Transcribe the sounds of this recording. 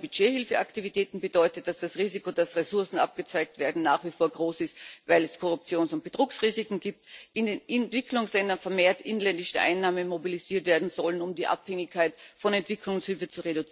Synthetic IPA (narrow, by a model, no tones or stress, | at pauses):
b̥yd͡ʒeːhɪlfəʔaktivitʰɛːtn̩bədɔʏtət̚d̥asd̥asʁiːzikodasʁesʊɐsn̩ʔa̰p̚ɡ̥ət͡saɪk̚tv̥eːɐdn̩naːχv̥ifoːɐɡʁoːsɪstvaɪlɛskʰɔʁʊp̚t͡sjoːnsʊnt̚b̥ətʁ̥uːksʁiːzɪkŋ̩ɡiːp̚tʔɪndenʔɛntv̥ɪkʰlʊŋslɛndɐnfɛɐmeːɐtʔɪnənlɛndɪʃəʔa̰ɪnːaːmənmobiliziːɐtv̥eːɐdn̩zɔlənʊmdiːʔa̰phɛŋɪçkʰːaɪtfɔnɛntv̥ɪkʰlʊŋshɪlfət͡suʁedʊt͡s